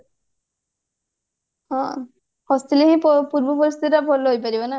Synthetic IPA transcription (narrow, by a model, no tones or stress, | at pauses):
ɔ̃ | hɔst̪ileɦĩpɔpuɹbɔpɔɾist̪iɾabʱɔlɔɦojpaɾibɔna